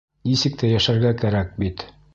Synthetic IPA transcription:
nisɘ̆k̚t̪æjæʃæɾɡækæɾæk̚bit̪

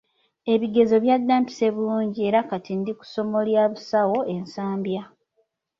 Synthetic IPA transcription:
e̞βiɡe̞zo̞βjadːaːmpi̥se̞βuluːɲɟie̞ɾakatʰindiku̥so̞mo̞ljaːβusawo̞e̞nsaːmbja

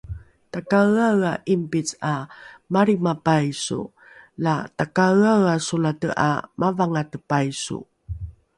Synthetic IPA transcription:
takaawaʔimpit͡samaɾimapajsṵ | latakaawasulatəʔa̰mʔavaŋatəpajsṵ

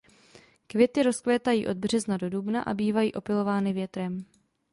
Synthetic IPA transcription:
kvjɛt̪ɪɾo̞sklɛːt̪ajiːʔo̞d̪̚br̝ɛznado̞dubna̰ʔa̰biːvajḭːʔo̞pɪlo̞vaːnɪvjɛt̪ɾɛm

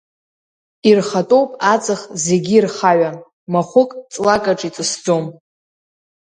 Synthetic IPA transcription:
irχatʼo̞wpʼat͡sʼɨχze̞ɡʲiirχaɥa | maχʷʊkʼt͡sʼlakʼaʈ͡ʂʼit͡sʼɨsd͡zo̞m

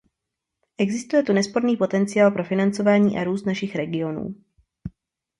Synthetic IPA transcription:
ʔɛɡzɪst̪ujɛt̪unɛspo̞ɾniːpo̞t̪ɛnt͡sɪjaːlpɾo̞fɪnant͡so̞vaːɲiːʔaɾuːst̪naʃɪxɾɛɡɪo̞nṵː

